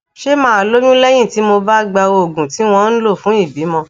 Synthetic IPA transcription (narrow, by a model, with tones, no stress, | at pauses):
ʃe˦mãː˦a˧˨lo˦jũ˦lɛ˦j̃ĩ˦˨ti˨˦mo˧ba˦ɡ͡ba˧wo˧o˨ɡũ˨ti˨˦w̃ɔ̃˧˦n̩˦lo˦˨fũ˨˦i˦˨bi˨˦mɔ̃˧